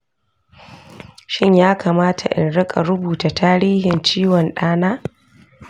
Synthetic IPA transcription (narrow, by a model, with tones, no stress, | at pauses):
ʃɪ˦ɲjaː˦kaː˨maː˦tʰa˨ʔɪ̰˨nɽɪ˦kʼa˨ɾʊ˦buː˨ta˨taː˦ɾiː˦hɪ˨nt͡ʃiː˦wɔ˨nɗaː˦naː˦